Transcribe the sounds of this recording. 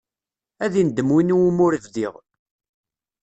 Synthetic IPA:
æðind̪ːəmwiniwumʊɾəvðiʁ

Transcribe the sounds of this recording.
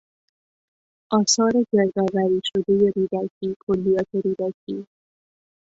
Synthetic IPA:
ʔɒːsɒːɾe̞d͡ʒeɾɡ̪ɒːvæɾiːʃo̞d̪e̞je̞ɾiːd̪ækʰiːkʰolːijɒːt̪ʰe̞ɾiːd̪æcʰiː

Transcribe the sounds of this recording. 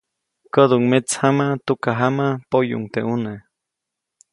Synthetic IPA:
kəd̪uŋmet͡shamat̪ukaɦamapojṵŋt̪eune

